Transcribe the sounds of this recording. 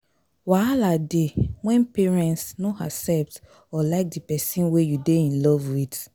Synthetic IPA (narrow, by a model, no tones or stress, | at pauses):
waladewɛ̃npɛɹɛ̃ntsnoasɛp̚t | ɔlaɪk̚dipɛsĩnwejudeĩnlɔvwid